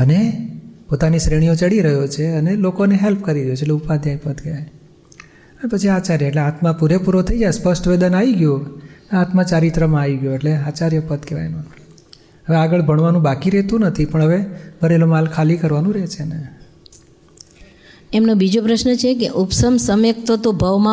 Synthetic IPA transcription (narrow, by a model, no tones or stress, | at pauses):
ənepot̪anisɾeɽ̃ijõt͡ʃəɽiɾəɦjot͡ʃʰeənelokoneɦelp̚kəɾiɾəjot͡ʃʰeʈleupad̪ʱjajpət̪keʋaj | ənepət͡ʃʰiat͡ʃaɾjəeʈleat̪mãpuɾepuɾot̪ʰəid͡ʒaespəsʈʋed̪ənaʋiɡjoneat̪mãt͡ʃaɾit̪ɾəmãːʋiɡjoeʈleat͡ʃaɾjəpət̪keʋa̰jno | ɦəʋeaɡəɭbʱəɳʋanũbakiɾɛt̪ũnət̪ʰipəɳɦəʋebʱəɾelomalkʰalikəɾʋanũɾet͡ʃʰene | emnobid͡ʒopɾəʃnət͡ʃʰekḛʔupsəmsəmjək̚t̪ot̪obʱəʋmã